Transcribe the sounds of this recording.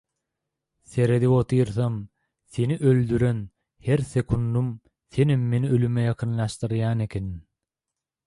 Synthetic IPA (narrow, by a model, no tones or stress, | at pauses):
θe̞ɾed̪iwot̪ʰijɾθɑm | θe̞niʔøld̪yɾøn | heɾθekʰund̪um | θe̞nimːe̞niølymejɑqʰɯnlˠɑʃt̪ɯɾjɑːne̞kʰenin